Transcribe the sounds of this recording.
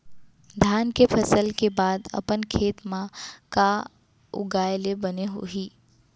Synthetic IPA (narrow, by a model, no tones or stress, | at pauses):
d̪ʱjaːnkepʰɐsəlkebaːd̪ɐ̰pənkʰeːt̪mãka | ʊ̰ɡaːjlebɐneɦoɦiː